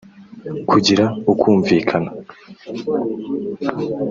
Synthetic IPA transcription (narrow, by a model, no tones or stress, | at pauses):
kʰuɟiɾaukuːɱviːkʰana